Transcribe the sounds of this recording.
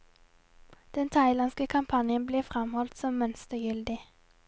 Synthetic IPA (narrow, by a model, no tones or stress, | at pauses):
d̪̥ɛnt̪ʰɑɪlɑnskəkʰɑmpʰɑnjənbleːfʁɛmhɔlt̪sɔmːœnst̪əjʏld̪ɪ